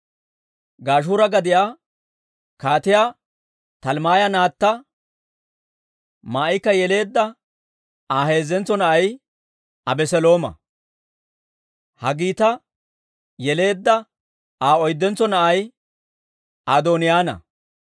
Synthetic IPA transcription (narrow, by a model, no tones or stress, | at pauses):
ɡaːʃ̬uːɾɐɡɐd̪ɪjaː | kaːt̪ɪjaː | t̪ɐlmaːjɐnaːt̪ːɐ | maːɪkːɐjɛle̞ːd̪ːɐ | aːhe̞ːzːɛnt͡sːɔnɐʔɐj | ɐbɛsɛlo̞ːmɐ̰ | hɐɡiːt̪ɐ | jɛle̞ːd̪ːɐ | aːɔjd̪ːɛnt͡sːɔnɐʔɐj | ad̪oːnɪjaːnɐ̰